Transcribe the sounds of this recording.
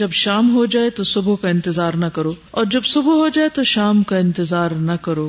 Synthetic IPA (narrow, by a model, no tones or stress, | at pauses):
d͡ʒɐbʃaːmɦod͡ʒaːet̪osʊbʱukaɪ̃nt̪ɪzaːɾnɐkɐɾoːɔːɾd͡ʒɐbsʊbuɦod͡ʒaːet̪oʃaːmkaɪ̃nt̪ɪzaːɾnɐkɐɾoː